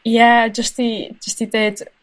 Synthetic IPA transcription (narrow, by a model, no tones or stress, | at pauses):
jæd͡ʒʌsti̥d͡ʒʌstitet